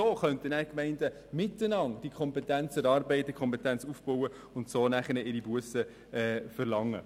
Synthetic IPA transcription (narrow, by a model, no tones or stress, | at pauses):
oːχœntənæːɾkmɛɪndə | mɪtːənɑŋd̥ikʰχɔmpɛtænt͡sɛɾɑːɾbɛɪt̚d̥əkʰχɔmpɛtænt͡sufb̥ɔwə | ʊntsoːnæχənəɪɾibuəsə | ɛfəɾlɑŋːə̰